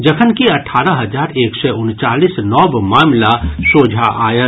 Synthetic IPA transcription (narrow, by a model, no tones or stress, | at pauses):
d͡ʒəkʰənkiɐʈʰaːɾəɦɐzaːɾeːkseʊnt͡ʃaːlisnɔːbmaːmlasoːd͡ʒʱaʔaːjə